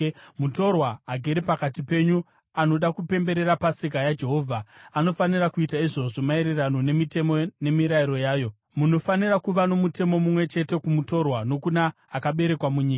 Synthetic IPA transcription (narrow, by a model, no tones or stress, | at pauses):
muto̞rwaːɡʱeɾipakatipe̞ːɲu | ano̞ɗakupe̞mbe̞ɾe̞ɾapasik̬ajad͡ʒe̞ɦo̞vʱaano̞fanirakuitaiʐo̞ʐomaiɾirano̞nemite̞mone̞miɾaiɾo̞jaːjo̞ | muno̞fanirakuʋano̞mute̞mo̞mumwe̞t͡ʃe̞te̞kumuto̞rwano̞kunaː | kaɓe̞ɾe̞kwamuɲiːk